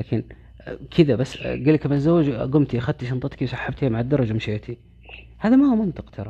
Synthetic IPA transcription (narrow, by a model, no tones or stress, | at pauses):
laːkɪn | kʰɪðabasːɡaːlːakmazːawːɪd͡ʒɡʊmt̪iʔaxad̪̚t̪iʃɑnt̪ˤɑt̪ˤkiwsˤɑħːab̚t̪amaʕad̪ːɑɾˤɑd͡ʒamʃeːt̪ʰi | haːðamahumʊnt̪ɑqt̪ʰɑɾˤɑ